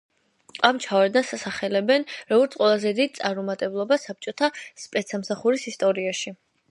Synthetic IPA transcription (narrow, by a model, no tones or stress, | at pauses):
amt͡ʃʰavɛɾd̪nasasaχɛlɛbɛnɾɔɡɔɾt̪qʼwɛlˠazɛd̪id̪̚t̪sʼaɾmɔmat̪ʼɛblˠɔbasap̚t͡ʃʼɔt̪ʰaspʼɛt̪samsaχuɾisist̪ʼɔɾiaʃi